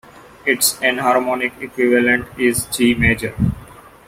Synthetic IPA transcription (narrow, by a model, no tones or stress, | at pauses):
ɪʈsɛ̃nɦaːɾmɔ̃ːnɪkekwɪʋələ̃ɳʈɪzd͡ʒiːmeːd͡ʒəɾ